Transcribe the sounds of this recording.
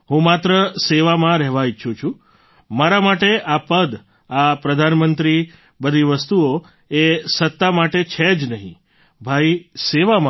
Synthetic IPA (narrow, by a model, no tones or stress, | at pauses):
ɦũmat̪ɾəseʋamãɾɛɦʋaiʃʰũt͡ʃʰu | maɾamaʈeʔapəd̪ | apɾəd̪ʱanmənt̪ɾi | bəd̪ʱiʋəst̪uo | esət̪ːamaʈet͡ʃʰed͡ʒnəɦḭ̃ | bʱaiseʋamã